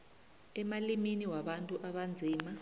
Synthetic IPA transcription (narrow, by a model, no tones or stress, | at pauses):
ɛmaliminiwaɓantʼuʔaɓand͡zʱiːma